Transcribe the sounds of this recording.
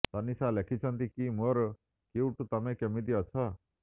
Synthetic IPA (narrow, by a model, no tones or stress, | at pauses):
t̪anisalekʰit͡ʃʰɔnt̪ikimoɾ | kiuʈut̪amekemid̪iɔt͡ʃʰɔ